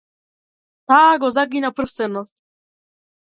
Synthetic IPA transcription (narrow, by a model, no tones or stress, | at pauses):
t̪aːɡɔzaɡinapr̩st̪ɛnɔst̪